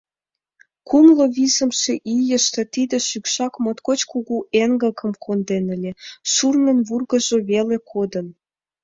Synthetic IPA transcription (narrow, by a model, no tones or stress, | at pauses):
kumloβizə̆mʃeʔijə̆ʃt̪ə̆t̪id̪ə̆ʃykʃɑkmot̪kot͡ɕkuɣuʔeŋɡəkə̆mkʰond̪enə̆lʲeʃurmə̆nβurɣə̆ʒoβelekʰod̪ən